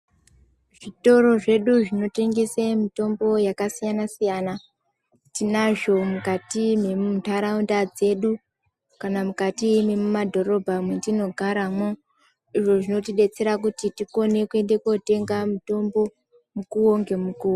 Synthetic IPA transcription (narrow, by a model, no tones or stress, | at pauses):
ʐ̥ito̞ɾo̞ʐe̞ɗuʐino̞te̞ŋɡesemito̞mbo̞jakasijanasijana | tinaʐo̞mukatime̞muntaɾaundad͡ze̞ɗu | kanamukatimemumadʱo̞ɾo̞bʱamwendino̞ɡʱaɾamo | iʐo̞ʐino̞tiɗe̞t͡se̞ɾakutitiko̞ne̞kue̞ndekwote̞ŋɡamuto̞mbo̞ | mukuwoŋɡe̞mukuːwo